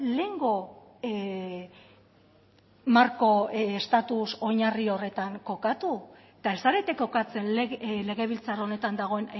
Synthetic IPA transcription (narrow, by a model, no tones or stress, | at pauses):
le̞ŋɡo̞ | maɾko̞est̪at̪uso̞ɲario̞re̞t̪aŋko̞kat̪u | t̪ae̞saɾe̞t̪ekːo̞kat͡se̞nlle̞ɣ̞e̞β̞ilt͡saro̞ne̞t̪and̪aɣ̞o̞e̞n